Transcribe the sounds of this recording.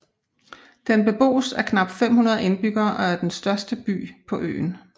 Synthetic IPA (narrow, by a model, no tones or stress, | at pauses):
d̥enb̥e̝b̥o̝̰ːsæɐkʰnɑ̈b̥̚d̥fem̰hunɐð̞̩ˠe̝nb̥yɡ̥ɐːʔɒ̽æɐd̥ensd̥ɶɐsd̥əb̥y̰ːpʰɒ̽ʔø̰ːn